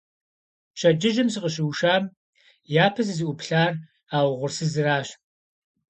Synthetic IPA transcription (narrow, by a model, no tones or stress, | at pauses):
ɕɐd͡ʒɪʒɪmsɨqəɕ̬ɪwʃaːm | jaːpʰɐzɨzɨʔʷʊpɬaːr | aːwʁʷʊrsɨzɨraːɕ